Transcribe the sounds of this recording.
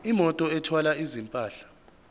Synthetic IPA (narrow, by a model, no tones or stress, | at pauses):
imɔtʼɔɛtʰwalaizimpʼaːɬḁ